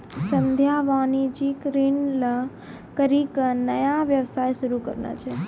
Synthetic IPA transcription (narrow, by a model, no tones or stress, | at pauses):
sənd̪ʱjaʋanid͡ʒikɾinlə | kəɾiknəjaʋjəʋsajʃuɾukə̰ɾna̰t͡ʃʰe